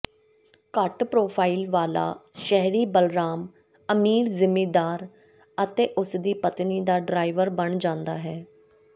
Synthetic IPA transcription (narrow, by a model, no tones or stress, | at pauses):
kəʈpɾoːpʰaːilʋaːla̰ːʃɛɦɾiːbəlɾaːm | əmiːɾzɪmiːd̪aːɾ | ət̪eːʔʊsd̪iːpət̪niːd̪aːɖɾaːiʋəɾbəɳd͡ʒãːnd̪a̰ːɦɛː